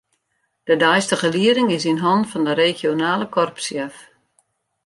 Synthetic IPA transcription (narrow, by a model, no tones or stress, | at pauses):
d̥ədɛjstəχəliəɾɪŋɪsinɦɔntfɔndəɾexjonaːləkʰɔrpsjɛf